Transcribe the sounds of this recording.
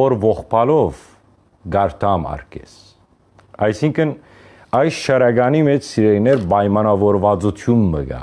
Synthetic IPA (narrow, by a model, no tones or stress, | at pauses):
ɔɾvɔχpʰɑlɔv | ɡɑɾt̪ʰɑmɑ̰ɾkʰɛ̰s | ɑjsiŋkʰən | ɑjsʃɑɾɑɡɑnimɛt͡ʃʰsiɾɛɾinɛɾbɑjmɑnɑvɔɾvɑt͡sut̪ʰjunːəɡɑ̰